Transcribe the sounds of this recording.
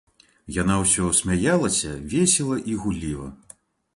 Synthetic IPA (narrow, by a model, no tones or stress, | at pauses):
janawsʲɔsʲmʲajalˠɐsʲɐvʲesʲɛlˠɐʔiɣulʲivɐ̰